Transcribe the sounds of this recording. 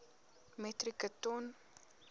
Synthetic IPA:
mɛt̪ɾikət̪on

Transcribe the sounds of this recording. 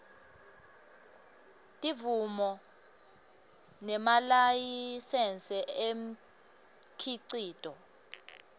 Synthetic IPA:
tʼivumɔ | nɛmalajisɛnt͡sʼɛem̩ | kʰiǀiːtʼɔ

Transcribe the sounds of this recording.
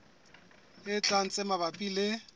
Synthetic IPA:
ɪt͡ɬʼan̩t͡sʼɪmaβapʼilɪ

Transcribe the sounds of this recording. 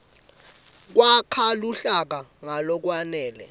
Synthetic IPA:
k̬wakʰaluɬak̬aŋalɔk̬wanɛːlɛ̰

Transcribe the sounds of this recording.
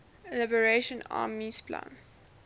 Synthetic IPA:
ɛlabəɹeʃə̃na̰ːmispʰlã̰n

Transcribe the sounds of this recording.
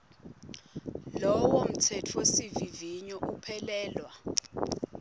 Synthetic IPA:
lɔwom̩tʰɛtʰwesiviviɲɔk̬upʰɛlɛːlwa

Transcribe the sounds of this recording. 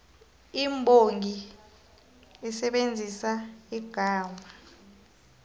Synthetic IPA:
imbʱoŋi | ɛsɛɓend͡zʱisaiɡ̥ʱaːmʱa

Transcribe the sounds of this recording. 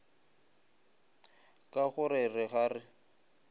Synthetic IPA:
kʼaχʊɾɪrɪɣaːrɪ

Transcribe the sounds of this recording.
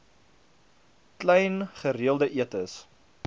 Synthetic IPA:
klɛjnχəriəlˠdəʔiətəs

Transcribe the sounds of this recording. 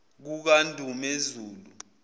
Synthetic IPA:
k̬uk̬andʱʼumezuːlu

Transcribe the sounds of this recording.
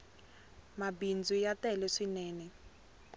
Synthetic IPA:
mabind͡zujatɛlɛʂinɛːnɛ

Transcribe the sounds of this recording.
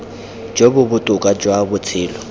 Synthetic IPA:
d͡ʒobʊbʊtʼʊkʼad͡ʒwabʊt͡sʰɪːlɔ

